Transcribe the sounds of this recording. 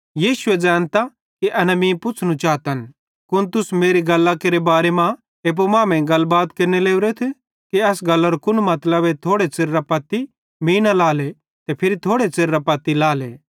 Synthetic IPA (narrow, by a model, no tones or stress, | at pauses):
jiːʃʊed͡ʒɛ̃ːnt̪a | kiʔɐnɐmĩpʊt͡sʰnũt͡ʃaːt̪ɐn | kʊnt̪ʊsmeːɾiɡɐlːakeːɾebaːɾemã | eːp̬omãːmẽɡɐlːbaːt̪keːɾneleːʊɾet̪ʰ | kiɐsɡɐlːɐɾokʊnmɐt̪ləbet̪ʰoːɽet͡seɾːapɐt̪ːi | miːnalaːle | t̪epʰɪɾit̪ʰoːɽet͡seɾːapɐt̪ːilaːle